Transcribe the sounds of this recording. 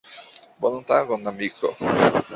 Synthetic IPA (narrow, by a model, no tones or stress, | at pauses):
bolont̪akonamiːkʰo̰